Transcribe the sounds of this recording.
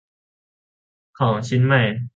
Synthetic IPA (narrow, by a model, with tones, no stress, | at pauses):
kʰɔː˩˦ŋt͡ɕʰi˧˦˥nma˥˩j